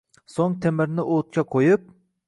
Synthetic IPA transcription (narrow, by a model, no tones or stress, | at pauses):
soŋt̪ʰemɪɾnɪʔot̪̚kʲɛqʰojup̚